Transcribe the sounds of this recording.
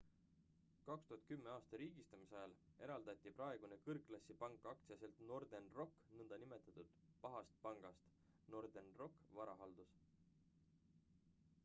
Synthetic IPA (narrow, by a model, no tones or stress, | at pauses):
kɑkst̪uɦɑt̪̚ˑkymːeɑːst̪ɑɾiːɡ̥ist̪ɑmisɑjɑle̞ɾɑld̪̥ɑt̪ʲˑːipɾɑe̞ɡ̥unekɤrkːˑlɑsʲːipɑŋkːˑɑk̚t̪siɑse̞lt̪no̞rd̪̥enro̞kːnɤnd̪̥ɑnime̞t̪ːˑɑt̪ˑud̪̥pɑɦɑst̪̚pɑŋɡ̥ɑst̪ | no̞rd̪̥enro̞kːˑvɑɾɑɦɑld̪̥us